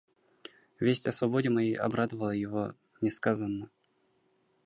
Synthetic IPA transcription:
vʲesʲtʲɐsvɐbodʲɪmɐjejʔɐ̰bɾad̪əvəlˠəjɪvo̰ | nʲɪskazənːə

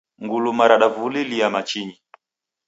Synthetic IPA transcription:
ŋɡulumaɾaɗavuliliamat͡ʃiɲi

